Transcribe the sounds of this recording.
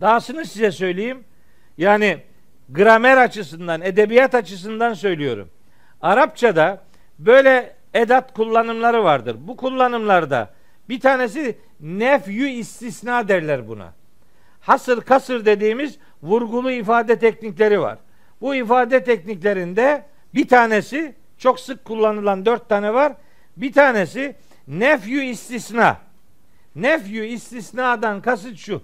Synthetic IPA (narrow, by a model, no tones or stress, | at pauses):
d̪̥aːsɯnɯsizɛsø̞jlʲejim | jaːni | ɡɾamɛɾat͡ʃʰɯsɯnd̪ane̞d̪ebijat̪at͡ʃʰɯs̬ɯnd̪ansø̞jlʲijo̞̰ɾṵm | aɾap̚t͡ʃʰad̪a | bø̞jlʲɛ | ed̪at̪kʰulˠːanɯmlˠaɾɯvaɾd̪ɯɾbukʰulˠːanɯmlˠaɾd̪a̰ | b̥it̪ʰaːne̞s̬i | nɛfjyist̪ʰisnaːd̪æɾlʲæɾbuna̰ | hasɯɾkʰasɯɾd̪e̞d̪iːmiz | vuɾɡulˠuifaːd̪ɛt̪ʰɛcniclʲe̞ɾiva̰ɾ̥ | buifaːd̪ɛt̪ʰɛcniclʲe̞ɾind̪ɛ | bit̪ʰaːne̞si | t͡ʃʰo̞ksɯkʰːulˠːanɯlˠand̪øɾt̪ʰːanɛvaɾ | bit̪ʰaːne̞si | nɛfjyist̪isna̰ː | nɛfjyist̪ʰisnad̪ankʰasɯɾʃu